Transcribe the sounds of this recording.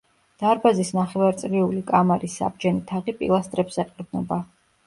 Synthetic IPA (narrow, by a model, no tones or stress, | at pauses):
d̪̥aɾbazisnaχɛvaɾt̪sʼɾiulikʼamaɾisːa̰b̚d͡ʒɛnit̪ʰaʁipʼḭlˠast̪ʼɾɛpsɛqʼiɾb̪nɔba